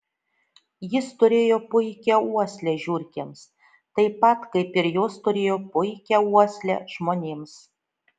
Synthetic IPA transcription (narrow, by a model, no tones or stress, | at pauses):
jɪst̪ʊɾʲeːjoːpʊɪkʲɛuɔsʲlʲɛʒʲuːɾʲkʲems | t̪ɐɪpɐt̪kɐɪpɪɾjoːst̪ʊɾʲeːjoːpʊɪkʲɛuɔsʲlʲɛ̰ʒ̥moːnʲeːms